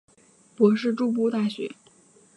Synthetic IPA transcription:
pwɔ˧˥ʂ̬ɻ̩˥˧ʈ͡ʂu˥˧p̬u˥˧t̪a˥˩ɕɥɛ̰˧˥

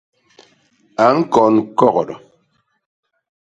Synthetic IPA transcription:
a˨˦ŋ̩˦kɔ˨nkɔ˦ɣɔ˨ɾɔ̰˨

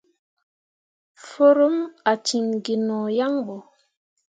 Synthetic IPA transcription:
fo˦ɾo˦ma˨t͡ʃi˨ŋɡi˨nɔ˨ja˦ŋbo˨

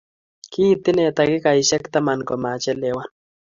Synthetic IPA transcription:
ki˦˨t̪ɪ˦nɛ˨ta˨kɪ˦ka˨i˨ʃɛ˦kt̪a˦ma˨nkɔ˨ma˨t͡ʃɛ˦lɛ˨˦wa˦n

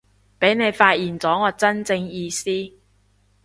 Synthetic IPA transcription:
pe˨˥jne˨˧jfaː˧t̚jiː˨nt͡sɔː˨˥ŋɔː˨˧t͡sɐ˥nt͡sɪ˧ŋjiː˧siː˥

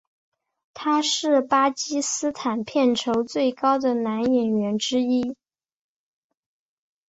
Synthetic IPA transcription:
t̪ʰa˥ʂɻ̩˥˩pa˥t͡ɕi˥sɹ̩˥t̪ʰa˨˩npʰjɛ˥˩nʈ͡ʂʰo˧˥ʊt͡swe˥˩ɪkɑ˥ʊd̪ə˨na˧˥njɛ˨˩nɥɛ˧˥nʈ͡ʂɻ̩˥i˥

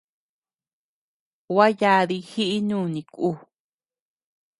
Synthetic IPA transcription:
wa˦ja˧ði˧hi˦ʔi˦nũː˦˨nĩ˨ku˦˨

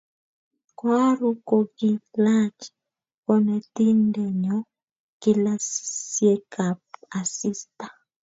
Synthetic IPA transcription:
kwa˦ɾu˦ko˨ki˨la˦t͡ʃ | kɔ˦nɛ˨ti˦ndɛ˨ɲɔ˦ | ki˦lassje˦ka˨p̚a˨si˦stḁ˨

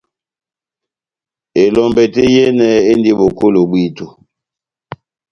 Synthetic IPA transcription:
e˨lɔ˨mbɛ˨te˦jɛ˦nɛ˨e˦ndi˦ɓo˨ko˦lo˨ɓwi˦tu˨

